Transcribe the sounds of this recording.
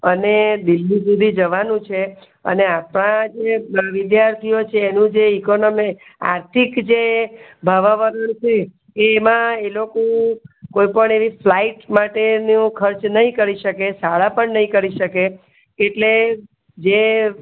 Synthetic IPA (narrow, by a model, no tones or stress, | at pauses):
əned̪ilːisud̪ʱid͡ʒəʋanũt͡ʃʰe | ə̰neapɳ̃ãd͡ʒeʋid̪jaɾt̪ʰijot͡ʃʰeːnũd͡ʒeikonomi | a̰ɾt̪ʰikd͡ʒebʱaʋaʋəɾənt͡ʃʰeː | mãelokokoipəɳeʋiflaiʈmaʈenũkʰəɾt͡ʃnəɦĩkəɾiʃəkesaɭapəɳnəĩkəɾiʃəkeː | ʈle | d͡ʒe